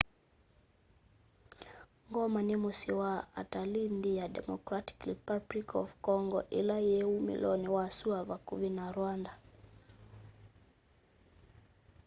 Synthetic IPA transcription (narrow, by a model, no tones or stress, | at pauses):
ŋɡɔmanimusiwaa̰talindijadɛ̰mɔkɾati̥kɾipablikɔ̰vkɔŋɡɔʔilajɛumḭlɔniwasuavakuvinaɾwanda